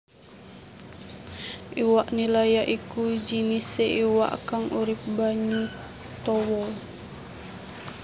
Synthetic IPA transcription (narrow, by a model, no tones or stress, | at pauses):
ʔiwaʔnilajaʔikud͡ʒiniseʔiwa̰ʔkaŋuɾip̚baɲu | t̪ɔwɔl